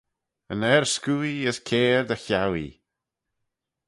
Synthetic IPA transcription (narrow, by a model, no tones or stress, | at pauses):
ənɛɹskuːiəskʰeːɹd̪əçawḭ